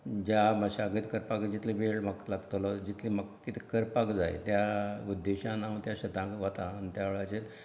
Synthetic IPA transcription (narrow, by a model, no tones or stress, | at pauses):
d͡ʑaməɕaɡit̪kəɾpakd͡ʑit̪libeɭmək̪laɡt̪olɔd͡ʑit̪ʰliməkkːit̪ʰikəɾpakd͡za̰j̰t̪jaud̪ːeɕãnaʋt̪jãɕət̪ãkʋat̪aːnt̪jaʋeɭat͡ɕel